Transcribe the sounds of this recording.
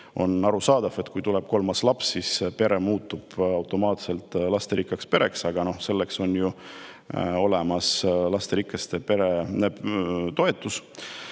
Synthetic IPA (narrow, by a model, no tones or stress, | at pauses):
o̞̰nɑɾusɑːd̪̥ɑve̞t̪kujt̪uleb̥̚ko̞lmɑslɑpsːispe̞ɾe̞muːt̪ːub̥ɑwt̪ˑo̞mɑːt̪se̞lt̪ˑlɑst̪eɾikːˑɑkspe̞ɾe̞ksɑɡ̥ɑno̞hse̞lːe̞kso̞nju | o̞le̞mɑslɑst̪eɾikːˑɑst̪e̞pe̞ɾe̞net̪o̞e̞t̪ːˑus